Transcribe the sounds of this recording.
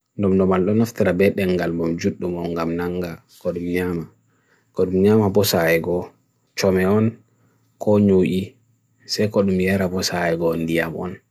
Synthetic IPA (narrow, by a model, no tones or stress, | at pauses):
ndɔmdɔmalɗɔnaftiɾabɛɗɛŋɡalbɔmd͡ʒuɗːumɔŋɡamnaŋɡa | kɔɗumɲama | kɔɗumɲamabɔsajɛɡɔ | t͡ʃɔmɛɔn | kɔɲoʔi | sajkɔɗumjaɾabɔsajɛɡɔndija̰mɔ̰n